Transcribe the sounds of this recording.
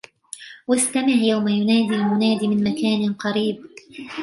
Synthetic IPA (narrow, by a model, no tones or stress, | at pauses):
wast̪amɪʕjawmajʊnaːd̪ilmʊnaːd̪iːmɪnmakaːnqɑɾiːb̚